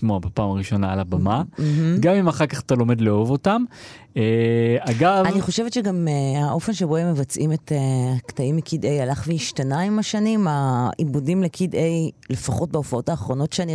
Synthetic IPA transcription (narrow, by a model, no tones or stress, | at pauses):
moabepaːmaʁiʃo̞naːlabamam̩ɦm̩ɡamimaχaʁkaχatalo̞me̞dleovo̞tam | eaɡavaniχo̞ʃevetʃeɡameaʔo̞fe̞nʃeboemːevat͡sʔimetektaimːikʰidejalaχveiʃtanaimaʃanimaibudimlekʰidejle̞faχo̞t̚beofao̞taːχʁo̞no̞tʃeani